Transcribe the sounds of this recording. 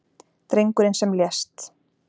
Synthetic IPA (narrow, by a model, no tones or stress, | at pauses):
t̪ɾejŋkʏɾɪnsɛmljɛst̪